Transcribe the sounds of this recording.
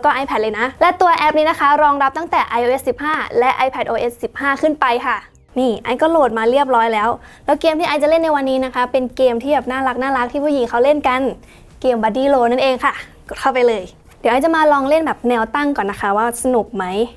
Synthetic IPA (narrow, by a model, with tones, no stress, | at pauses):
wkɔː˥˩ʔa˧jpʰɛ˨˩t̚lɤː˧jna˦˥lɛ˦˥t̪u˧ɐʔɛ˦˥p̚niː˦˥na˦˥kʰa˦˥ɾɔː˧ŋɾa˦˥p̚t̪a˥˩ŋt̪ɛː˨˩ʔa˧jʔoː˧ʔe˦˥ssi˨˩p̚haː˥˩lɛ˦˥ʔa˧jpʰɛ˨˩t̪̚ʔoː˧ʔe˦˥sːi˨˩p̚haː˥˩kʰɯ˥˩npa˧jkʰa˥˩ | niː˧˥˩ʔa˧jkɔː˥˩loː˨˩t̪̚maː˧ɾi˥˩əp̚lɔː˦˥jlɛː˦˥w | lɛː˦˥wkeː˧mt̪ʰiː˥ʔa˧jt͡ɕa˨˩le˥˩nːa˧jwa˧nːiː˦˥na˦˥kʰa˦˥pe˧nkeː˧mt̪ʰiː˥˩bɛː˨˩p̚naː˥˩la˦˥k̚naː˥˩ɾa˦˥k̚t̪ʰiː˥˩pʰu˥˩ji˨˩˦ŋkʰa˦˥wle˥˩nka˧n | keː˧mbaː˧diː˧˩loː˧na˦˥˩nʔeː˧ŋkʰa˥˩ | kɔ˨˩t̪̚kʰa˥˩wpa˧jlɤː˧j | di˨˩˦ʔa˧jt͡ɕa˨˩maː˧lɔː˧ŋle˥˩nbɛː˨˩p̚nɛː˧wt̪a˥˩ŋkɔː˨˩nːa˦˥kʰa˦˥waː˥˩sa˧nu˨˩k̚ma˦˥j